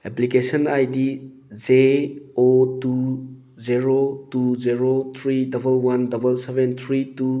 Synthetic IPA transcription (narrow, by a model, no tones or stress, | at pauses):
eplikesɐnajdi | zeotu | ziɾotuziɾot̪ʰɾidɐbɐlwandɐbɐlsebent̪ʰɾitu